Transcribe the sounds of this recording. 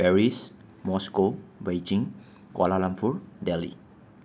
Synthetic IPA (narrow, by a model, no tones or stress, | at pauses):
bɛɾis | mɔskobejd͡ʒɪŋ | ka̰lalampʊrdɛlḭ